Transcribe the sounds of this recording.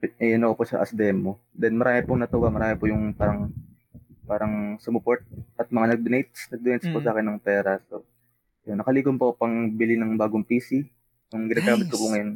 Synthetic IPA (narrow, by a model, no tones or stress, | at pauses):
pɐnoʔposɐʔɐ̰sd̪ɛmːo | d̪ɛnmɐɾaːmɪpʊŋnɐt̪ʊwamɐɾaːmɪpʊjʊŋpaːɾɐŋ | paːɾɐŋsʊmʊpoɹt̪̚ʔɐt̪̚mɐŋanɐɡ̚d̪ʊnɛjt̪̚snɐɡ̚d̪ʊnɛjt̪̚spʊsɐʔaːkɛnːɐŋpɛːɾɐso | ɐjonːɐkɐliːkonpo̞pɐŋbɪlinɐŋbaːɡoŋpiːsi | nʊŋɡɪnaːɡaːmɪt̪̚kopʊŋɐjon